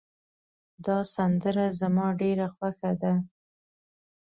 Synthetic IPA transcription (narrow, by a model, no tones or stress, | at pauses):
d̪ɑsand̪əɾazamɑɖeɾaxwaxad̪a